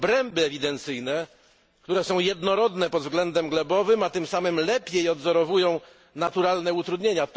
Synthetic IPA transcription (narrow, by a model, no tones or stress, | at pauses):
bɾɛmbɘɛvʲid̪ɛnt̪sɘjnɛ | k̚t̪uɾɛsɔ̃w̃jɛd̪nɔɾɔd̪nɛpɔd̪vɡlɛnd̪ɛmɡlɛbɔvɘmat̪ɘmsamɘmlɛpʲjejɔd̪zɔɾɔvujɔ̃w̃ | nat̪uɾalnɛut̪ɾud̪ɲeɲat̪